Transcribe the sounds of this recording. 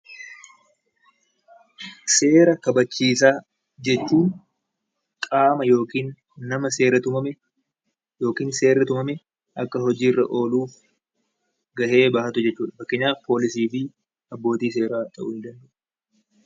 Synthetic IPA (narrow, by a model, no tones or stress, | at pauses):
se̞ːɾɐkɐbɐt͡ʃːiːs̬aː | d͡ʒɛt͡ʃːuːn | kʼaːmɐjo̞ːkiːnː | ɐmɐseːɾɐt̪ʊmɐmɛ | jo̞ːkiːnse̞ːɾɐt̪ʊmɐmɛ | ʔɐkːɐɦɔd͡ʒiːrːɐ̰ʔo̞ːluːf | ɡɐʔe̞ːbaːhɐt̪ʊd͡ʒɛt͡ʃːuːᶑɐfɐkːɛɲːaːpʰoːlɪsiːfɪ | ɐbːo̞ːt̪iːs̬e̞ːɾaːt̪ʼɐ̰ʔʊːnɪd̪ɐnd̪ɐʔʊʊ̥